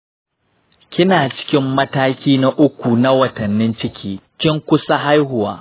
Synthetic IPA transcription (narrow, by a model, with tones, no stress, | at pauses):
kʲɪ˦naː˨t͡ʃɪ̥˦kʲɪ˦mːɐ˦taː˦kʲiː˦na˦ʔʊ˦kʷu˨na˦wɐ˨tɐ˨nːɪ˦nt͡ʃɪ˦kʲʰiː˦kʲɪ˦ŋkʷʊ˦sa˦ɦa˦jɦʊ˨wa̰ː˨